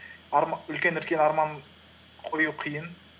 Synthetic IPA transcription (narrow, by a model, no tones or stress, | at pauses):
ɑɾmɑɵlkʲenʏɾkʲenɑɾmɑn | qʰojuwqʰijən